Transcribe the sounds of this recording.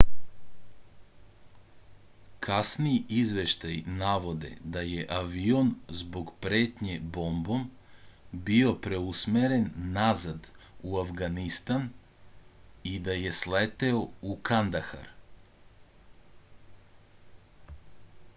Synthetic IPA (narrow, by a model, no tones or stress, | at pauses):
kʰasnijizʋeʃt̪ajnaʋo̞d̪e̞̰d̪aje̞ʔaʋio̞nzbo̞ɡpɾeːt̪ɲebo̞mbo̞m | bio̞pɾe̞usmeɾe̞nːazad̪uafɡanist̪an | id̪aje̞slet̪e̞oukand̪axa̰ɾ